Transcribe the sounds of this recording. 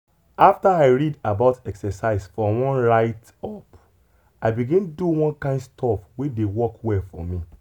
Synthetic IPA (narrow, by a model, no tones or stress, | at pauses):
aftaaɪɹidabaʊtɛksɛsaɪsfɔwɔ̃nɹaɪt | ɔp | aɪbiɡĩnduwɔ̃nkãɪ̃ndstʰɔfwedewɔkwɛlfɔmĩ